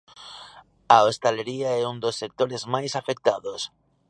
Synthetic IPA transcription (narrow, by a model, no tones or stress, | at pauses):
aost̪eleɾiaɛund̪osːek̚t̪oɾezmajsafek̚t̪aðos